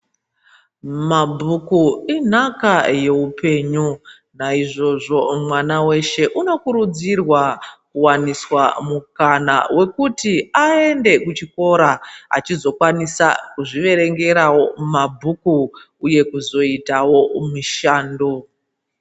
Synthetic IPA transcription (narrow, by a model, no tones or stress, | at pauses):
mabʱukuin̤akaje̞upe̞ːɲu | naiʐo̞ʐo̞mwanawe̞ʃe̞ʔuno̞kuɾud͡zirwakuwaniswamukanawe̞kutiaende̞kut͡ʃiko̞ɾaa̰t͡ʃizo̞kwanisa̰kuʐiʋe̞ɾe̞ŋɡe̞ɾawo̞mabʱukuː | je̞kuzo̞itawo̞muʃaːndo